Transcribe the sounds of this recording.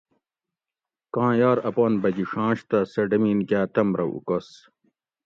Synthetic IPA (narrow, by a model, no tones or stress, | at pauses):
kãːjaːɾɐpaːnbɐɡiʂãːɕt̪ɐsɐɖɐmiːnkjaːt̪ɐmɾɐ̰ʔṵkɐs